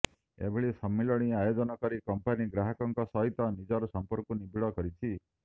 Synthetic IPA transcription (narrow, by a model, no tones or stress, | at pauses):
ḛbʱiɭisɔmːelɔɽ̃iajod͡ʒɔnɔkɔɾikɔmpaniɡɾaɦɔkɔŋkɔsɔɦit̪ɔnid͡ʒɔɾɔsɔmpɔɾkunibʱiɭɔkɔɾit͡ʃʰi